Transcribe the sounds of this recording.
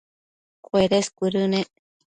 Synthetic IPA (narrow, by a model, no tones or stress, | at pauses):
kweɾeskʷuɾɨneʔ